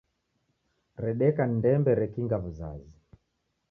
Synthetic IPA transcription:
ɾɛɗɛkandɛmbɛɾɛkiŋɡavuza̰zi

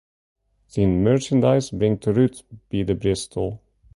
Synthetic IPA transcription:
ðinmɜɹt͡ʃə̃ndaɪsbɹɪ̃ŋt̪ʰəɹʉt̪b̥iðəbɹɪstʰl̩ˠ

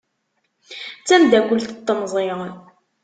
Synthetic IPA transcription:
t͡sːænd̪ækʷəlt̪ət̪ˤːənzˤeʁ

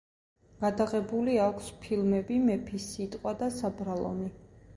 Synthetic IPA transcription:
ɡ̥ad̪aʁɛbuliakʷʰspʰilˠmɛbimɛpʰisit̪ʼqʼwad̪asabɾalˠɔ̰mi

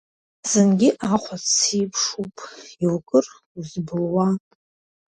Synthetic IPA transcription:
z̥ɨnɡʲɪʔaχʷʰat͡sipʰʂupʼiwkʼɨr | uzbɨlwa

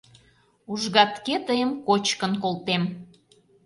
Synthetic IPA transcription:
uʒɣɑt̪ket̪əjəmkot͡ɕkənkolt̪em

